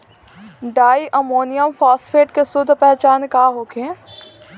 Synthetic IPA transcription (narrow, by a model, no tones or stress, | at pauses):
ɖaːiʔɐmoːnijəmfaːsfeːʈkesʊd̪ʱpɛɦt͡ɕaːnkaːɦoːkʰẽː